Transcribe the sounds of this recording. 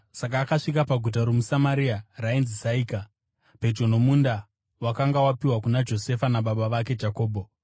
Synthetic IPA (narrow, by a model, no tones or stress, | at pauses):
sakaːkaʂik̬apaɡʱut̬aɾemusamaɾiarainzizaiːka | pe̞d͡ʒo̞no̞munda | wakaŋɡawapiwakunad͡ʒo̞se̞fanaɓaɓaʋake̞d͡ʒako̞ːbʱo